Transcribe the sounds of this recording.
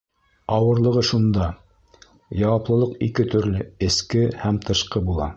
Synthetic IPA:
ɑwɤ̆ɾlˠɤ̆ʁɤʃund̪ɑ | jɑwɑplˠɤ̆lˠɤqḭkɘt̪ɵ̆ɾlɘɘ̆skɘhæmt̪ʰɤ̆ʃqɤbulˠɑ̰

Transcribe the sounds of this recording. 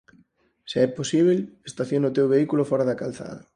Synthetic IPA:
seɛposiβ̞elest̪aθjonot̪ewβeikulofɔɾaðakalθa̰ðɐ

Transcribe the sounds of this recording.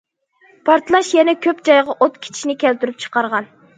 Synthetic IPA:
pʰɑɾt̪lˠɑʃjɛnɛkʲʰøpd͡ʒɑjʁɑʔot̪kʲʰe̥t͡ʃʰi̥ʃnɪkʲʰɛlt̪yɾyp̚t͡ʃʰə̥qɑɾʁɑn

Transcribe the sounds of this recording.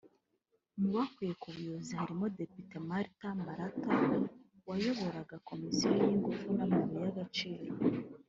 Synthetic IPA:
muwakuje̞kuβujozihaɾimo̞de̞pite̞maɾitamaɾata | wajo̞βo̞ɾaɡako̞misijojiŋɡufunamaβijaɡat͡ʃiːɾo

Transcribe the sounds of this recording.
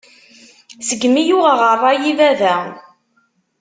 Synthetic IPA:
səɡmijʊʁəʁərˤːɑjivæðæ

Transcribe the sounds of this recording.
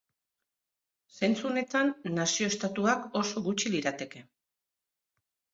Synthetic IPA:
se̞nt͡sune̞t̪anːasio̞est̪at̪uako̞so̞ɣut͡ʃiliɾat̪e̞ke̞

